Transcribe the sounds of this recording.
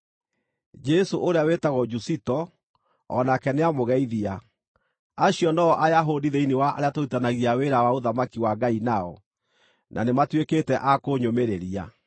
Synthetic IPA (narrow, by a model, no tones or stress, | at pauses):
d͡ʒɛsoʔoɾeawetaɣɔd͡ʒusitɔ | ɔ̰nakɛneamoɣɛiðia | aɕiɔnɔɔʔajaɦodiðeinewaa̰ɾeatoitanaɣiaweɾawaoðamakiwaɡainaɔ̰ | nʔa̰nematweketɛʔakoɲomeɾeɾia̰